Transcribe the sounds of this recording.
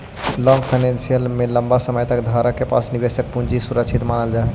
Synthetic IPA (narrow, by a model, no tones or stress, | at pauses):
lɔŋɡpʰaɪnensijəlmeləmbasəməjt̪əkd̪ʱaɾəkepa̰snibesək̚pũnd͡ʒisuɾəkt͡ʃʰit̪manəld͡ʒae